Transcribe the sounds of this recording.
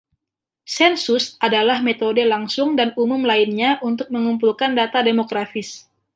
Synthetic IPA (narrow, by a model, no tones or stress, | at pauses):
sɛnsʊsadalahmet̪odelaŋsʊŋdanumʊmlainɲaʔunt̪ʊk̚məŋumpulkandat̪ademoɡɾafɪs